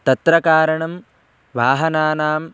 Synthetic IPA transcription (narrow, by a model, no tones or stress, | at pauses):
t̪ɐt̪ɾɐkaːɾɐɳɐm | ʋaːɦɐnaːnaːm